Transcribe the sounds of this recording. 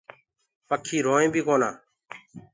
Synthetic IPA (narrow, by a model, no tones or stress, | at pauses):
pəkʰːiːɾoːẽːbʱiːkoːnaː